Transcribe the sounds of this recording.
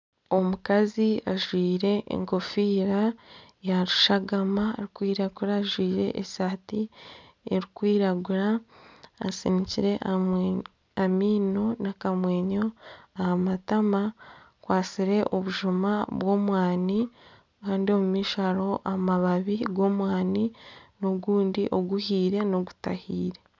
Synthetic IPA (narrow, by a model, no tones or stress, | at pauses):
o̞mukaziaʒwiːɾe̞ḛŋko̞fiːɾa | jaɾuʃaɡamaːɾikwiːɾaɡuɾaʒwiːɾe̞̰ʔesaːti | eɾikwiːɾaɡuɾa̰ː | siɲiciɾe̞ʔa | amiːno̞nakamwe̞ːɲo̞ahamatama | kwaːsiɾe̞ʔo̞βuʒumaβwo̞ːmwaːni | kaːndio̞mumiːʃaɾo̞ʔamaβaβiɡwo̞ːmwaːninoɡuːndiʔo̞ɡuhiːɾe̞no̞ɡu̥tahiːɾe̞